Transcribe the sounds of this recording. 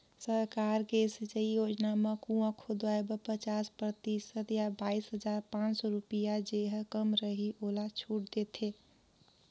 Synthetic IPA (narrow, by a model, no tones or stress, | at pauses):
səɾkaɾkesit͡ʃəijod͡ʒnamekũãkʰod̪aebəpət͡ʃaspɾət̪isət̪jabaisɦəd͡ʒaɾpãnsɔɾupijad͡ʒeɦəkəmɾəɦiʔolat͡ʃʰuʈ̚d̪et̪ʰe